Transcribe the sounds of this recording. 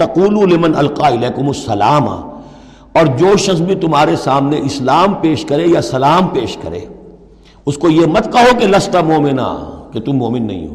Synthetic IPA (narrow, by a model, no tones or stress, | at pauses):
t̪ɐquːlulɪmɐnɐlqaːɪlɛːkʊmɐsːɐlaːma̰ | ɔːɾd͡ʒoːʃɐxsbʱit̪ʊmɦaːɾesaːmneʔɪslaːmpeːʃkɐɾejasɐlaːmpeːʃkɐ̰ɾḛː | ʊskojemɐt̪kɐɦokelɐst̪amoːmɪna̰ːket̪ʊmːoːmɪnːɐ̰ɦḭ̃ɦo̰ː